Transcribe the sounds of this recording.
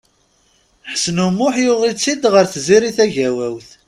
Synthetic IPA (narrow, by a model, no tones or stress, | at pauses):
ħəsnumʊħjʊʁit͡sːid̪ʁəɾθziɾiθæʝæwæwθ